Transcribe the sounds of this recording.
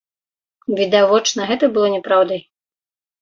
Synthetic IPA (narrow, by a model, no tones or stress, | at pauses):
vʲid̪avɔt͡ʂnɐɣɛt̪ɐbɨlˠɔnʲɛpɾawd̪ɐj